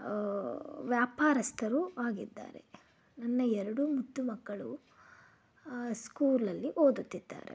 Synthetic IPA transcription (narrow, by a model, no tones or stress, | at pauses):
ʋjaːpaːɾɐst̪ʰɐɾuʔaːɡid̪ːa̰ːɾḛ | nɐnːɐɛɾɐɽumud̪ːumɐɡːɐɭu | skuːɾlɐlːiʔoːd̪ut̪ːid̪ːa̰ːɾḛ